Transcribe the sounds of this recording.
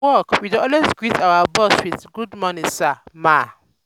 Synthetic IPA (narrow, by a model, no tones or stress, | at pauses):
ɔkwidoɔlwezɡɹitawabɔswiðɡudmɔnisama